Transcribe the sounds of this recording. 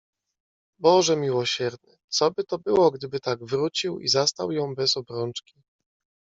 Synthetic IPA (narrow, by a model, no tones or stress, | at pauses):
bɔʐɛmʲiwɔɕɛɾnɘ̰t̪sɔbɘt̪ɔbɘwɔɡd̪ɘbɘt̪aɡvɾut͡ɕiwḭzast̪a̰wjɔ̃w̃bɛzɔbɾɔnt͡ʂkʲi